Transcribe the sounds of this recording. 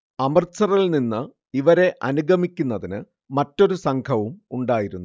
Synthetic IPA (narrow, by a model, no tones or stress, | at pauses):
ɐmɐrt͡ɕɐrɐɭninːɨ | iʋɐɾe̞ʔɐnuɡʱɐmikʲːunːɐðinɨ | mɐtːo̞ɾusɐŋkʰɐʋumuɳɖaːjiɾunːu